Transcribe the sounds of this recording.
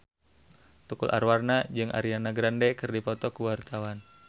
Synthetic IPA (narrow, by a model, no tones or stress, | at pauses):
t̪ukulʔa̰rwarnad͡ʒɨŋʔa̰ɾianaɡɾandɛkɨrdipɔt̪ɔkuwart̪awan